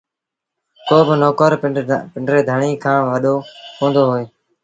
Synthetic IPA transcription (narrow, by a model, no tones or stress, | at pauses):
t̪oːbɪnoːkəɾpɪɳɖɾeːd̪ʱəɳiːkʰãːʋəɗoːkõːnd̪oːɦoːeː